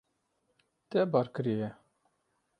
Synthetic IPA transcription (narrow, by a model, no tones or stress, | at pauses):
t̪ɛbɑɾkɨɾijɛ